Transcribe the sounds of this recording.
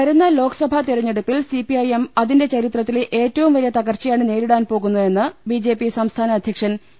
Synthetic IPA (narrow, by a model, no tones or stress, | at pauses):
kɐɾunːɐlo̞ːkɐ̥sɐbʱɐt̪iɾɐɲːeɽupːilsipiɐjemɐðinde̞t͡ɕɐɾit̪rɐt̪ːileʔeːtːɐʋumʋɐɾijɐt̪ɐɣɐrt͡ɕːɐjaːɳɨneːɾiɽaːnpo̞ːɣunːue̞nːɨbid͡ʑe̞ːpisɐmst̪ʰaːnɐːd̪ʱjɐkʂɐn